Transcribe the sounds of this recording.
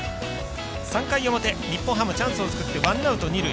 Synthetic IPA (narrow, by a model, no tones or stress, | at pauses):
sãŋkaiomot̪e̞ɲ̟ipːõɦãmːɯ̟t͡ɕãɰ̃sɨo̞t͡sɨ̥kɯ̟t̪ːe̞βãnaɯ̟t̪o̞ɲ̟iɾɯ̟